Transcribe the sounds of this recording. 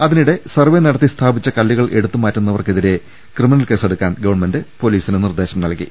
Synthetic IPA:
ɐðiniɽe̞sɐrʋe̞nɐɽɐt̪ːist̪ʰaːbit͡ɕːɐkɐlːɐɣɐɭʔe̞ɽut̪ːumaːtːunːɐʋɐrkeðiɾe̞ | krɨminɐlke̞ːse̞ɽukːaːnɡɐʋɐɳmɐndepo̞liːsinɨnird̪e̞ːɕɐmnɐlkḭ

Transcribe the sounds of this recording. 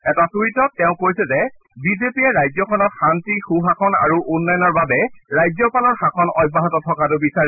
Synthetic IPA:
ɛtasuitɔtɛʊ̃kojsɛzɛ | bizepiɛɹajzɔkʰɔnɔt̚xantixuxakʰɔna̰ɹuʔʊnːɔjɔnɔɹbabɛɹajzɔpalɔɹxakʰɔnɔjbːaɦɔtɔtʰɔkat̬ʊbisaɹɛ

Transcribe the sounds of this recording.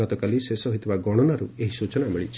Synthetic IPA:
ɔt̪ɔkalisesɔɦit̪ibaɡɔɽ̃ɔnaɾueɦisut͡ʃɔnamiɭit͡ʃʰ

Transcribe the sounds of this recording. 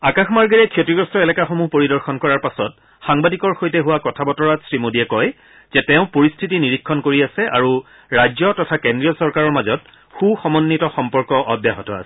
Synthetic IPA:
akaxmaɹɡiɹɛkʰjotɹiɔɡɹɔstɔɛlɛkaxomuhpoɹidɔɹxɔnkɔɹaɹpasɔt̚ | xaŋbadikɔɹxojtɛɦuwakɔtʰabɔtɔɹatsɹimodiɛkɔj | z̥ɛtɛʊ̃poɹistʰitiniɹikʰːɔnkoɹiasɛʔa̰ɹu | ɹajzɔtɔtʰakendɹijɔsɔɹkaɹɔɹmazɔt̚ | xuxɔmɔnːitɔxɔmpɔɹkɔʔɔdjaɦɔtɔ̰a̰sɛ̥

